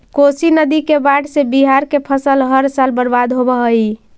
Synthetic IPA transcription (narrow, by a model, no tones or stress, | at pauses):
kosinəd̪ikebaʈsebiɦaɾkepʰəsəlɦəɾsalbəɾbad̪ɦobəɦəi